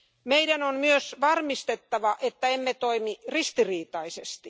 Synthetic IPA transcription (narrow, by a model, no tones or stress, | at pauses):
meidænonmyøsʋɑrmist̪et̪ːɑʋɑʔet̪ːæemːet̪oimirist̪iriːt̪ɑisest̪i